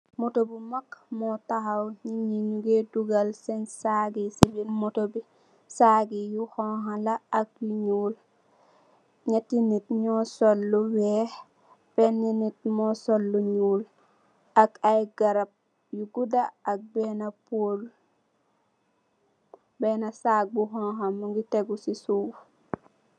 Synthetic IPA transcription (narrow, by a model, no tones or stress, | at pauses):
motobimakmɔtahawɲiɲiɲuɡeduɡalsɛnsaɡisibinmotobi | saɡijuhɔɦalaːk̚juɲuːl | ɲatinitɲɔsolːuwɛh | pɛnːinit̚mɔsolːuɲuːl | akajɡaɾap̚ | juɡudaak̚bɛnapol | bɛnasaːk̚buhɔnɦamuɡiteɡusisuːf